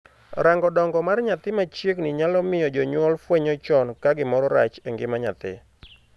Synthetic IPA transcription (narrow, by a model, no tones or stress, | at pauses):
ɾaŋɡɔdɔŋɡɔmarɲat̪ɪmat͡ʃjeknɪɲalɔmɪjɔd͡ʒɔɲwɔlfweɲɔt͡ʃɔnkaɡɪmɔɾɔɾat͡ʃɛŋɡɪmaɲat̪ɪ̰